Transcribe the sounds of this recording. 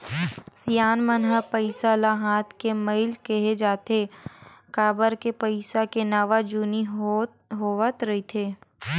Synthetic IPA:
sijaːnmənɦəpəɪsalaɦaːt̪ʰkemeɪlkəɦed͡ʒaːt̪ekaːbəɾkepəɪsakenaːʋad͡ʒuːni | ɦoːʋət̪ɾɐɦit̪ʰeː

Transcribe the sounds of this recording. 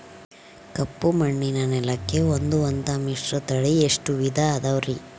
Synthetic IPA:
kɐpːumɐɳːinɐnɛlɐkːe̞ond̪uɐnt̪ɐmiʂɾɐt̪ɐɭieʂʈuʋid̪ʱɐːd̪ɐʋɾi

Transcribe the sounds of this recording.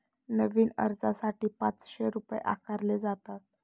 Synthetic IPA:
nəʋiːnə̰ɾd͡zasaʈiːpat͡sɕeɾupjḛʔa̰kʰaɾled͡zat̪at̪̚

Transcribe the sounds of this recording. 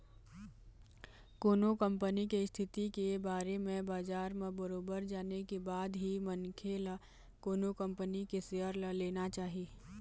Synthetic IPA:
koːnokə̃mpənikest̪ʰɪt̪ikebaːɾemẽbaːd͡ʒaːɾmẽbəɾoːbəɾd͡ʒaːnekebaːd̪ɦimənkʰela | koːnokə̃mpənikeseɦəɾləleːnat͡ʃaːɦi

